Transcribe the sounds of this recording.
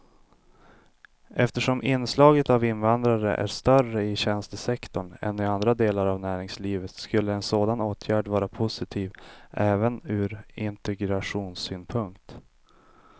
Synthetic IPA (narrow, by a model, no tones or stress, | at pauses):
ʔɛft̪əʂɔmʔɪnːslɑːɡət̪avɪnvand̪ɾaɾə̰ʔæ̰ʂt̪œrəɪɕɛnst̪əsɛkt̪ɔɳɛ̰nːɪand̪ɾad̪eːlaɾavnæːɾɪŋsliːvət̪skɵlːəɛnsoːd̪anoːt̪ʰjæːɖvɑːɾapʰʊsɪt̪ʰiːvʔɛːvənʉ̟ːɾɪnt̪ɛɡɾaɧuːnsyːnpʰɵŋk̚t̪